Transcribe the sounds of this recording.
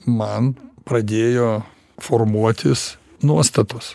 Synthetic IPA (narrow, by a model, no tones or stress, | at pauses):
mɐnpɾɐd̪ʲeːjoː | foɾmuɔt̪ʲɪs | nuɔst̪ɐt̪ʊs